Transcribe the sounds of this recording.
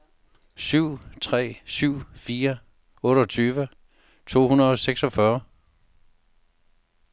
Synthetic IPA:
syʊ̰t͡sʰʁɛ̰ːsyʊ̰fiːɐ | ɔ̽ːɾəɒ̽t͡sʰyːʋə | t͡sʰo̝̰ːhunɐð̩ˠɒ̽seɡ̥sɒ̽fɶɐ

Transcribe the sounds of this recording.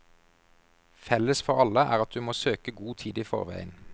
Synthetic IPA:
fɛləsfɔʁɑləʔæ̰ːʁɑt̪̚d̪ʉːmoːsøːkəɡuːt̪ʰiːd̪iːfɔ̰ʁʋæ̰ɪən

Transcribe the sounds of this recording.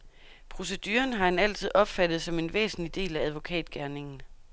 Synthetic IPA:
pʰʁo̝s̬e̝d̥y̰ːɐnɦɑ̈hænæl̰t͡sʰið̞̩̰ˠɒ̽b̥fæd̥ð̩ˠsɒ̽me̝nʋḛːsn̩lid̥e̝̰ːlææð̞ˠʋo̝kʰɛ̰ːd̥ɡ̥æɐne̝ŋn̩

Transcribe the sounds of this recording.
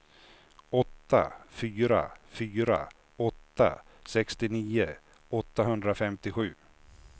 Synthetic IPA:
ɔt̪ːa̰fyːɾa̰fyːɾa̰ | ɔt̪ːa̰sɛkst̪ɪniːə | ɔt̪ːaɦɵnd̪ɾafɛmt̪ɪɧʉ̟ː

